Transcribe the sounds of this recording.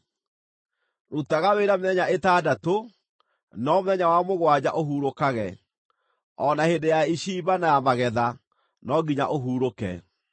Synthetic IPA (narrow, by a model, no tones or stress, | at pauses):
ɾutaɣaweɾameɛɲaetaːdato | nɔmoðɛɲawamoɣwad͡ʑa̰ʔoɦuːɾokaɣɛ | ɔnahendejaiɕiːbanajamaɣɛða | nɔɡiɲa̰ʔoɦuːɾokɛ̰